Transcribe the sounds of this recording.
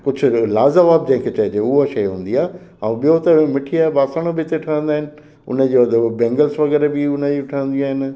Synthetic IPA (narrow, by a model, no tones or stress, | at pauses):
kʊd͡ʑʱʊ̆laːzɐʋaːb̚d͡ʑɐ̃ɦɪ̃ŋkʰeːt͡ɕɐed͡ʑeʊɦoʃɐjɦũːn̆d̪iaːɦe | ãũɓijot̪ɐmɪʈʰiaːɦebaːsaːɽ̃obɪt̪eʈʰɐɽə̃nd̪aːɦɪnɪ̆ | ʊ̰nəd͡ʑid̪bɛ̃ːŋɡəlsʋɐɣɛːɾebɪʊnəd͡ʑiʈʰəə̃nd̪iaːɦɪn